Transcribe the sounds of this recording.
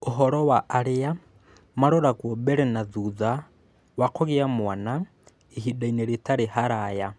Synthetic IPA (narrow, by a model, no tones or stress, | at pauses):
oɦɔɾɔwaʔːɾea | maɾɔɾaɣwɔbɛɾɛnaðuða | wakoɣeamwana | eɦidaineɾetaɾeɦaɾaja